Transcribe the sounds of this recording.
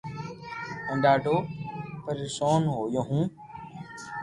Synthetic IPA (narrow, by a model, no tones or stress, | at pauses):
ə̃ːɖaːɖʱoːpəɾisoːnɦoːjoːɦũː